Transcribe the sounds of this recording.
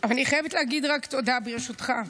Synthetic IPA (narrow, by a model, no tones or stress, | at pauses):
avalaniχajevetlehaɡid̪ʁakt̪o̞dabeʁeʃut̪χa